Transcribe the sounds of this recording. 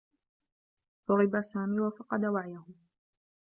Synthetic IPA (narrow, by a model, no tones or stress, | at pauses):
t̪ˤʊɾɪbasaːmiːwafɑqɑd̪awaʕjahʊ